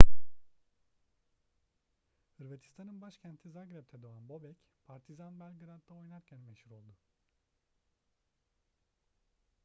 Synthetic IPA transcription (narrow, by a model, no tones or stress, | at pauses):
hɯɾvet̪ʰi̥st̪ʰanɯnbaʃcʰænt̪ʰizaɡɾap̚t̪ʰɛd̪oanbo̞bɛcpʰaɾt̪ʰizanbælʲɡɯɾad̪ːao̞jnaɾcʰænveʃiɾo̞lˠd̪ʊ